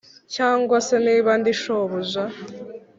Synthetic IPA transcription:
caːŋɡwaseniːβandiʃoβuza

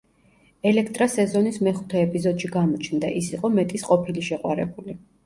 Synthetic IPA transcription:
ɛlɛkʰt̪ʼɾasɛzɔnismɛχut̪ʰɛɛpʼizɔd̪ʃiɡamɔt͡ʃʰnd̪a̰ʔisiqʼɔmɛt̪ʼisqʼɔpʰiliʃɛqʼwa̰ɾɛbuli

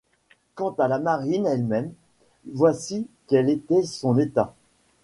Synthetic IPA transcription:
kɑ̃t̪alamaʁinɛlmɛm | vwasikɛlet̪ɛsɔ̃net̪a

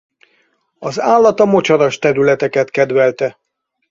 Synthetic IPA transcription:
ɒzaːlːɒt̪ɒmo̞t͡ʃɒɾɒʃt̪ɛɾylɛt̪ɛkɛt̪kɛd̪ʋɛlt̪ɛ

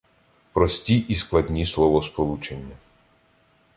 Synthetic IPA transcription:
pɾɔsʲtʲiʔisklˠɐdʲnʲislˠɔʋɔspɔlˠut͡ʃenʲːɐ

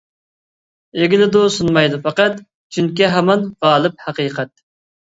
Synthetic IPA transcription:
eɡʲɪlɪd̪usunmɑjd̪ufɑqæt̪ | t͡ʃʰyŋkʲiɦɛmɑnʁɑːlˠɨp̚hæqiːqʰæt̪̚

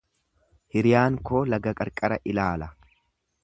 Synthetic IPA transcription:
hɪɾɪjaːŋkoːlɐɡɐkʼɐɾkʼɐɾɐʔɪlaːlɐ

